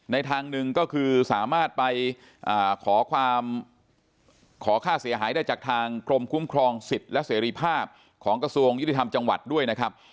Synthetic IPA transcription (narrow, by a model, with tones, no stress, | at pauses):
na˧jt̪ʰaː˧ŋnɯ˨˩ŋkɔː˥˩kʰɯː˧saː˨˩˦maː˥˩t̪̚pa˧j | ʔaː˨˩kʰɔː˩˦kʰwaː˧m | kʰɔː˩˦kʰaː˥˩si˩˦ɦaː˩˦jdaː˥˩jt͡ɕaː˨˩k̚t̪ʰaː˧ŋkɾo˧mkʰu˦˥mkʰɾɔː˧ŋsi˨˩t̪̚lɛ˦˥seː˩˦ɾiː˧pʰaː˥˩p̚ | kʰɔː˩˦ŋkɾa˧su˧əŋj̪i˨˩t̪ʰa˧mt͡ɕa˧ŋwa̰˨˩t̪̚du˥˩əjna˦˥kʰɾa˦˥p̚